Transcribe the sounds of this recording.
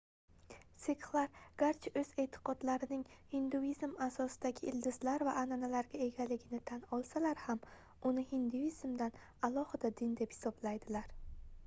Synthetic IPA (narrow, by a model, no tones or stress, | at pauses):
seklˠaɾɡ̥aɾt͡ʃʰɵz̥e̞t̪ʰɪ̥qɒd̪laɾɪnɪŋhɪnd̪uizmasɒsɪd̪aɡʲɪʔɪld̪ɪzlaɾvaʔananalaɾɡʲae̞ɡʲalɪɡʲɪnɪt̪ʰanɒlˠsalaɾham | ʊnɪhɪnd̪uiz̥md̪an | alˠɒhɪd̪ad̪ɪnd̪e̞phɪ̥sɒblajd̪ɪlaɾ